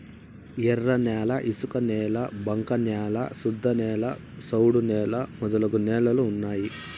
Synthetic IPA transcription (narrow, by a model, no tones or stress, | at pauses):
ɛrːɐnaːlɐʔisukɐnɛːlɐbɐŋkɐnjaːlɐ̰sud̪ʱːɐnɛːlɐ | sɐwɽunɛːlɐmɔd̪ɐlɐɡunɛːlɐluːnːaːji